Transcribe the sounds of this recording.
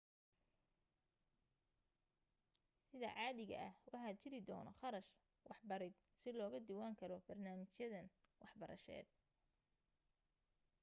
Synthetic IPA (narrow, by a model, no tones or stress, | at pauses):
sɪðɐ̰ʕɑːðɪɣɐ̰ʔɐhwʔɑħɑt͡ʃɪɾɪd̪ɔːnɔ̰χɑɾɐʃ | wɑħbɐɾɪd̪̚ | sɪlɔːɣɐd̪ɪwaːŋkʰɐlɔbɐrnaːmɪt͡ʃjɐðɐn | wɑħbɐɾʔɐ̰ʃɛ̰ːd̪̚